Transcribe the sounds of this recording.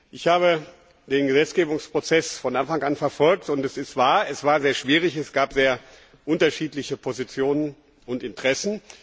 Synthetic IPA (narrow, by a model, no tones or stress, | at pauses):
ʔɪçhaːβə | d̥eːnɡəzɛt͡sɡ̥eːbʊŋspʁ̥ot͡sɛsfɔnʔanfaŋʔanfɛɐfɔlk̚tʊntɛsɪstv̥aːɐɛsv̥aːɐzeːɐʃv̥iːʁ̞ɪçɛsɡ̥aːpz̥eːɐ | ʔʊntɐʃiːtlɪçəpʰozit͡sjoːnən | ʊntɪntʁ̥ɛsn̩